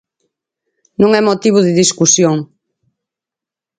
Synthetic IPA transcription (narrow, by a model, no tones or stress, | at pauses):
nũŋɛmot̪iβ̞ʊðɪðiskusjoŋ